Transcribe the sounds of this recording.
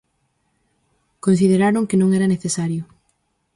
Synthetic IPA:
kons̬iðeɾaɾoŋkenõŋɛɾɐneθesaɾjʊ

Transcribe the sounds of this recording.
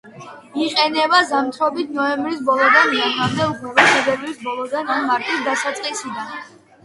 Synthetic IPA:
iqʼɛnɛbazamt̪ʰɾɔbit̪ʰnɔɛmbɾis̬bɔlˠɔd̪aniakamd̪ɛupʰɾɛbaʃɛb̪ɛblisbɔlˠɔd̪ananmaɾt̪ʼisd̪asat̪sʼqʼisid̪an

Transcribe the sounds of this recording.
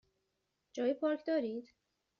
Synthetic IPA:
d͡ʒɒːjipʰɒːɾcʰd̪ɒːɾiːd̪̥

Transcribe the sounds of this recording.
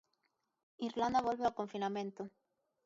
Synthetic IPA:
iɾland̪aβolβeako̞ɱfinamẽ̞nt̪o

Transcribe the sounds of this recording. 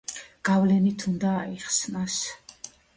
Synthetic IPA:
ɡ̥avlɛnit̪ʰund̪aːiχsnas

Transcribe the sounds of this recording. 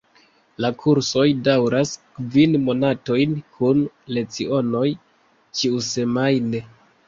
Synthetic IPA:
lakʰuɾso̞jdawɾaskvinmo̞nato̞jnkʰun | le̞t͡sio̞no̞j | t͡ʃiuse̞majne

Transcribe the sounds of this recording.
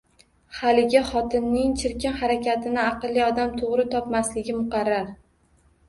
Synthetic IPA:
halɪɡʲaχɒt̪ʰɪnːɪŋt͡ʃʰɪɾkʲɪnhaɾakʲʰat̪ʰɪnɪɑqɨlːiɒd̪amt̪ʰoʁɾɪt̪ʰɒpmaslɪɡʲɪmʊqɑɾːaɾ

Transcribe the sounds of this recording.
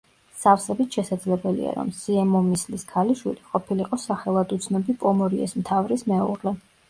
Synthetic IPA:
safsɛbit̪ʃɛsad̪zlɛbɛlḭa̰ɾɔ̰msiɛmɔmisliskʰaliʃwḭliqʼɔpʰiliqʼɔsaχɛlˠad̪ut̪sʰnɔbipʼɔmɔɾiɛ̰smt̪ʰavɾismɛṵʁlɛ

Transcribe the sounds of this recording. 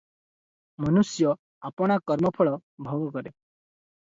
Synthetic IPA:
mʌnusjɔ | apɔɽ̃akɔɾmɔpʰɔɭɔbʱɔɡkɔɾe

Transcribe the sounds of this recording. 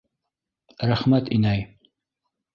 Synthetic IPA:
ɾæχmæt̪inæj

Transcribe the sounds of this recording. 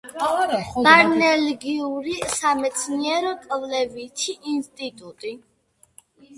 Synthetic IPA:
aɾnɛlɡiuɾisamɛt̪sʰniɛɾɔkʼvlɛvit̪ʰiʔinst̪ʼit̪ʼut̪ʼi

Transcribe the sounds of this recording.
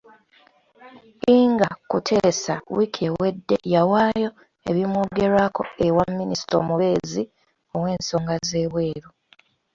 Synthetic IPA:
iːŋɡakutʰe̞ːsawikʰewwedːe̞̰jawaːjo̞ | e̞βimwoːɡe̞ɾaːko̞ewamːinisi̥to̰muβe̞ːzi | o̞we̞ːnso̞ːŋɡaze̞ːβwe̞ːɾu

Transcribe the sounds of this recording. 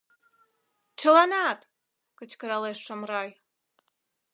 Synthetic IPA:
t͡ɕəlɑnɑt̪ | kət͡ɕkəɾɑleʃːəmrɑj

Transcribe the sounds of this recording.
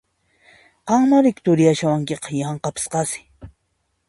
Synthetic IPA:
qɑŋmaɾɪkt̪ʊɾɪjaʃawaŋkeqɑ̥jɑɴqɑpɪ̥sqɑsɪ̥

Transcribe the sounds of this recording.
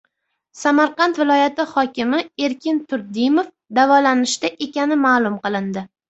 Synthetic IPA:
samaɾqɑnt̪vɪlˠɒjat̪ɪhɒkʲɪmɪe̞ɾkʲʰɪnt̪ʰʊɾd̪ɪmof | d̪avɒlanɪʃd̪aʔe̞kʲanɪmalˠʊmqɨlˠɪnd̪ɪ

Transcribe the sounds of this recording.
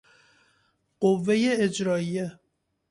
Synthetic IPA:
ɢ̥ovːe̞jeːd͡ʒɾɒːije

